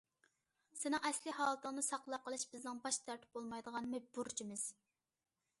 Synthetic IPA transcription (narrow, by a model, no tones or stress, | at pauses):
sɪnɪŋɛslɪɦɑːlˠət̪ʰəŋnɨsɑqlˠɑqːəlˠɨʃb̥ɪznɪŋbɑʃt̪ʰɛɾt̪ʰɪ̥p̚bolˠmɑjd̪əʁɑnmɛd͡ʒbuɾt͡ʃʰimɪz̥